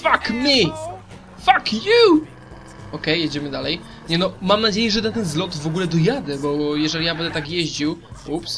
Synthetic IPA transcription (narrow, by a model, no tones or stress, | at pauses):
fakmʲi | fakju | ɔkɛjːjeɛd͡ʑɛmɘd̪alɛj | ɲɛnɔmamnad͡ʑejɛʐɛd̪at̪ɛnzlɔt̪vɔɡulɛd̪ɔjad̪ɛbɔjɛʐɛlʲijabɛnd̪ɛt̪akjeʑd͡ʑiwups